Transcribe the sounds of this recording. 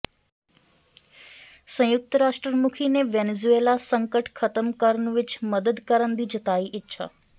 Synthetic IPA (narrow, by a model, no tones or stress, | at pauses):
sə̃jʊk̚t̪ɾaːʃʈɾəmʊkʰineʋeːnezueːlasə̃ŋkəʈkʰət̪əmkəɾənʋɪt͡ʃməd̪əd̪kəɾənd̪iːd͡ʒət̪aːiʔɪtːʃʰa̰ː